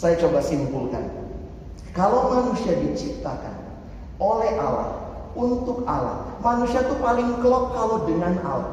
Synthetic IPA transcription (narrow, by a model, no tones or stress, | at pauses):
sajat͡ʃobasimpulka̰n | kalowmanusiadit͡ʃip̚t̪aka̰n | olɛhʔala̰h | unt̪ʊk̚ala̰hmanusiat̪upalɪŋkəlɔp̚kalodəŋana̰la̰